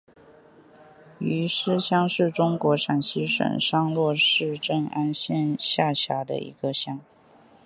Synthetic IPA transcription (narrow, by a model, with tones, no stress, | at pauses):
y˧˥ʂɻ̩˥ɕjɑ˥ŋʂɻ̩˥˩ʈ͡ʂʊ˥ŋkwɔ˧˥ʂa˨˩nɕi˥ʂə̰˨˩nʂɑ˥ŋlwɔ˥˧ʂɻ̩˥˧ʈ͡ʂə˥˩ŋa˥nɕjɛ˥˧nɕja˥˩ɕja˧˥d̪ə̰˧ḭ˧˥ɡ̥ə˧ɕjɑ˥ŋ